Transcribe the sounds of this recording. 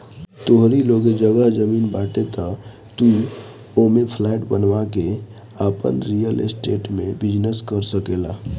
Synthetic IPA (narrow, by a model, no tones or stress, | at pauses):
t̪oɦɾiloɡed͡ʒəɡəɦd͡ʒəmiːnbaːʈet̪ɔ | t̪u | omepʰlaɪʈbənʋake | əpə̰nɾijəlḛsʈeːʈmẽbɪd͡ʒnəskəɾsəkela̰ː